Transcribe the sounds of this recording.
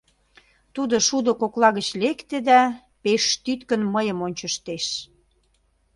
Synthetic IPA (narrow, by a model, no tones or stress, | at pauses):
t̪ud̪oʃud̪ŏkoklɑɣət͡ɕlekt̪ed̪æ | peʃt̪yt̪kənməjə̆monʲt͡ɕəʃt̪eʃ